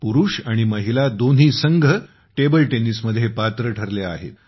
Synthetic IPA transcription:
puɾuːʂaɽ̃iməɦilad̪on̤iːsəŋɡʱə | ʈebəlʈenisməd̪ʱːjepat̪ɾəʈʰəɾlea̰ɦḛt̪

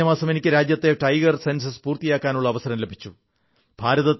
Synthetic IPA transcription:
ɐmaːsɐme̞nikʲːɨɾaːd͡ʑjɐt̪ːe̞ʈɐjɡɐrsensɐsɨ̥puːrt̪ijaːkːaːnuɭːɐːʋɐsɐɾɐmlebʱit͡ɕːu | b̥ʱaːɾɐðɐt̪

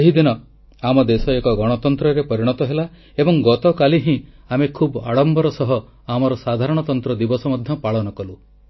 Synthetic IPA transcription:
eɦid̪inɔ | amɔd̪esɔekɔɡɔɽ̃ɔt̪ɔnt̪ɾɔɾepɔɾiɽ̃ɔt̪ɔɦela | ebɔŋɡɔt̪ɔkaliɦĩamekʰuba̰ɽɔmbɔɾɔsɔɦɔ | amɔɾɔsad̪ʱaɾɔɽ̃ɔt̪ɔnt̪ɾɔd̪ibɔsɔmɔd̪ʱjɔpaɭɔnɔkɔlu

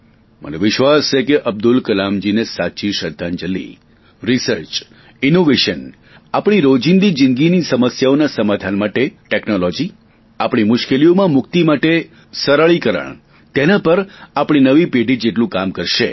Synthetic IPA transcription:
mə̰noʋɪʃʋasʃekeʔəb̚d̪ulkəlamd͡ʒinesat͡ʃiʃəd̪ʱːand͡ʒəlːḭ | ɾisəɾt͡ʃ | inoʋeʃən | apɳ̃iɾod͡ʒind̪id͡ʒɪnɡinisəməsjaonasəmad̪ʱanmaʈeʈeknolɔd͡ʒi | apɳ̃imʊʃkelijomãmʊk̚t̪imaʈe | səɾaɭikəɾə̰ɳ | t̪enapəɾapɽ̃inəʋipeɖʱid͡ʒeʈlũkamkəɾʃe

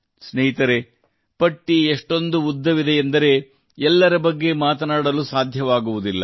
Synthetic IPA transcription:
sneɦit̪ɐɾe | pɐʈːieʂʈo̞nd̪uud̪ʱːɐʋid̪eend̪ɐɾe̞ | ɛlːɐɾɐbɐɡːe̞maːt̪ɐnaːɽɐlusaːd̪ʱjɐʋaːɡuʋud̪ilːɐ̰

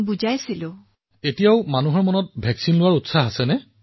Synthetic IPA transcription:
buzajsilʊ̃ | etijaʊmanuɦɔɹmɔnɔt̚bʱɛksinlʊwaɹutsaɦasɛnɛ

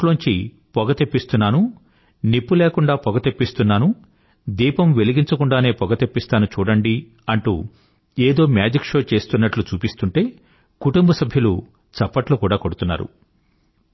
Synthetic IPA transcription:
loːɲt͡ʃḭ | pɔɡɐt̪epːist̪unːaːnu | nipːuleːkuɳɖaːpɔɡɐt̪epːist̪unːaːnu | d̪iːpɐmʋeliɡiɲt͡ʃɐkuɳɖaːne̞ːpɔɡɐt̪epːist̪aːnut͡ʃuːɽɐɳɖi | ɐɳʈṵː | eːd̪o̞ːmjaːd͡ʒikʂoːt͡ʃe̞ːst̪unːɐʈlut͡ʃuːpist̪uɳʈe̞ː | kuʈumbɐsɐbʱjɐlu | t͡ʃɐpːɐʈlukuːɽaːko̞ɽut̪unːa̰ːɾṵ

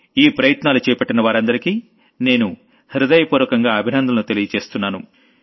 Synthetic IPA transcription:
iːpɾɐjɐt̪naːlut͡ʃɛːjɐpɐʈːinɐʋaːɾɐnd̪ɐɾikiː | ne̞ːnu | hiɾud̪ɐjɐpuːɾʋɐkɐŋɡaːɐbʱinɐnd̪ʱɐlɐnut̪e̞lijɐt͡ʃe̞ːst̪unːaːnu

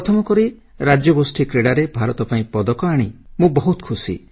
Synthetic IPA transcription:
ɾɔt̪ʰɔmɔkɔɾi | ɾad͡ʒjɔbosʈʰikɾeɽaɾebʱaɾɔt̪ɔpaĩpɔd̪ɔkɔaɽ̃imũbɔɦut̪kʰusḭ

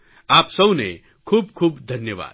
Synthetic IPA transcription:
aːpsɐbne | kʰuːb̚kʰuːbd̪ʱɐnjəʋa̰ːd̪

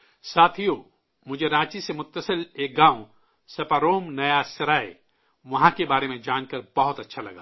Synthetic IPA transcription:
saːt̪ʰijoː | mʊd͡ʒʱeɾãːt͡ʃisemʊt̪ːəsəleːk̚ɡãːõ | sɐpaɾoːmnɐjasɐɾaːe | ʋɐɦãkebaːɾemẽd͡ʒaːnkɐɾbɐɦʊt̪ɐtːʃʰalɐ̰ɡaː

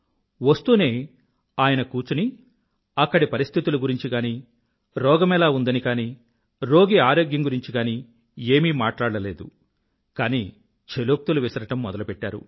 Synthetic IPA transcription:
ʋɐst̪uːne̞ː | aːjɐnɐkuːt͡ʃuni | ɐkːɐɽipɐɾist̪ʰit̪uluɡuɾiɲt͡ʃiɡaːniː | ɾɔːɡɐmɛlaːund̪ɐnikaːniː | ɾo̞ːɡiaːɾoːɡjɐŋɡuɾiɲt͡ʃiɡaːniː | eːmiːmaːʈlaːɽɐle̞ːd̪ṵ | kaːniː | t͡ʃʰeloːk̚t̪uluʋisɐɾɐʈɐmːɔd̪ɐlupɛʈːa̰ːɾṵ

